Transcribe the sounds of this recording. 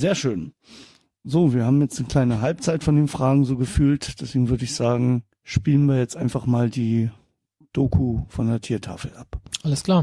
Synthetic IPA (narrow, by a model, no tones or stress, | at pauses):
zeːɐʃøːn | zoːviːɐhaːbm̩jɛt͡stnəkl̥aɪnəɦalp̚t͡saɪtfɔndeːnfʁ̥aːɡŋ̩zoːɡəfyːltd̥ɛsv̥eːɡŋ̩vʏɐdəɪçz̥aːɡŋ̩ | ʃpiːlənviːɐjɛt͡stʔaɪnfaχmaːldiː | d̥oːkʰufɔndeːɐtʰiːɐtʰa̰ːfl̩ʔapʔaləskl̥aːɐ